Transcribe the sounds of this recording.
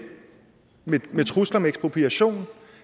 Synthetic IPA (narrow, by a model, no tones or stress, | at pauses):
memet͡sʰʁuslɐmeeɡ̥sb̥ʰʁo̝pʰiæɕo̝̰ːn